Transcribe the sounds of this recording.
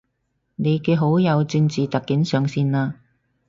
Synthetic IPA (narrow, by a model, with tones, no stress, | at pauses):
ne˨˧jkɛː˧ɦo˨˥wjɐ˨˧wt͡syː˧nt͡siː˨t̪ɐ˨kːi˨˥nsœː˨ŋsiː˧naː˧